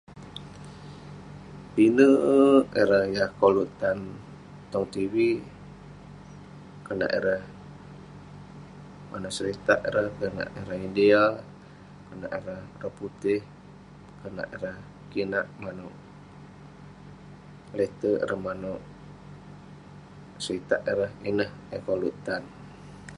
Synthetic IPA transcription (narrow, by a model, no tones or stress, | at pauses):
pinəʔeɾəhjahkoluʔt̪an | t̪ɔŋt̪iwi | kəna̰ʔeɾəh | mʔa̰nuʔsəɾit̪a̰ʔeɾəhkəna̰ʔeɾəhideal | kəna̰ʔeɾəhrəhput̪ɪh | kəna̰ʔeɾəh | kinaʔmanʊʔ | let̪əʔḛɾəhmanʊʔ | səɾit̪aʔeɾəhinəhəkoluʔt̪an